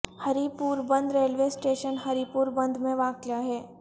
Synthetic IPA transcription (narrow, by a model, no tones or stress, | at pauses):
hɐɾipuːɾbɐ̃nd̪ɾeːlʋesʈeːʃənɦɐɾipuːɾbɐ̃nd̪mẽʋaːkjaɦɛː